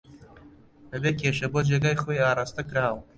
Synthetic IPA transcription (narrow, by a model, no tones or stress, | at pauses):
b̪ɐbeːkʰeːʃɐboːd͡ʒeːɡaːjxoːjaːrast̪ɐkɨɾaːw